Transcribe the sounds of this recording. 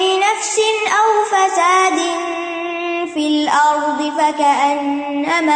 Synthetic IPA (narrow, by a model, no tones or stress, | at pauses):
ɪnafsɪnʔawfasaːd̪ɪn | fɪlʔɑɾˤd̪ˤɨfakaʔanː | ama